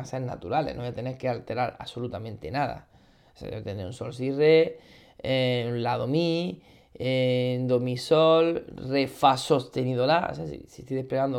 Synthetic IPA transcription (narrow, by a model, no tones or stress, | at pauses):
seɾna̰t̪uɾalḛnojat̪ene̞ɾkealt̪e̞ɾaɾa̰solut̪amẽnt̪e̞naða̰ | sḛot̪eneunso̞ls̬ire | enlaðomi | ed̪omisolrefaso̞st̪e̞niðolao̰sesḭsist̪iðepleɣand̪o